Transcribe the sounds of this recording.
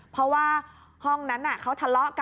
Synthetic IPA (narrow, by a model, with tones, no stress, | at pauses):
pʰɾɔ˦˥waː˧ | hɔ˧˩ŋna˦˥nʔa˨˩kʰa˦˥wt̪ʰa˧lɔ˦˥ʔka˧